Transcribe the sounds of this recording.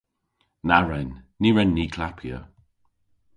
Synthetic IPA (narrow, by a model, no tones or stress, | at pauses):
naɹɛnː | iːɹɛnːiːkʰlapʰjə̰